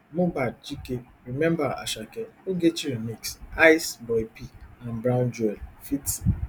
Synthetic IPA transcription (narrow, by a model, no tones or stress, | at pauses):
mobad̚t͡ʃike | ɾimɛ̃mbaa̰ʃakeoɡet͡ʃiɾimiksaɪsbɔjpiãnbɾaʊ̃nd͡ʒɔɛlfit